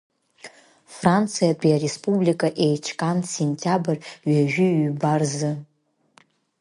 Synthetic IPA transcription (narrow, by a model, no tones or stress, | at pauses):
frant͡sʰɨjabʼiaɾespʼublikʼaʔejt͡ʃʰkʼansenʲtʰʲʼabɨrɥaʒᶣʏɥbarzɨ